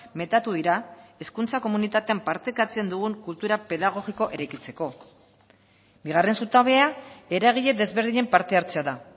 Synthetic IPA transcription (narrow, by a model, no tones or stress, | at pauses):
me̞t̪at̪uðiɾae̞skunt͡sako̞munit̪at̪e̞ampaɾt̪e̞kat͡se̞nd̪uɣuŋkult̪uɾape̞ðaɣ̞o̞ɣiko̞ʔe̞ɾajkit͡se̞ko̞ | biɣ̞are̞nsut̪aβeae̞ɾaɣ̞iʎe̞ðe̞zβe̞ɾðiɲe̞mpaɾt̪e̞aɾt͡se̞aða